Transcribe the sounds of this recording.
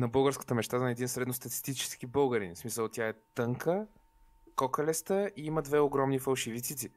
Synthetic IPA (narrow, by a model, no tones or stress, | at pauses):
nɐbɤlˠɡəɾskə̥t̪əmɛt͡ʃt̪azɛd̪insɾɛd̪nost̪ɐt̪i̥st̪it͡ʃɛ̥sk̟ibɤlˠɡəɾinsmisəlˠt̪ʲjaɛt̪ɤŋkə | kɔkɐlɛst̪əiiməd̪vɛoɡɾɔmnifɐlˠʃivit̪sit̪si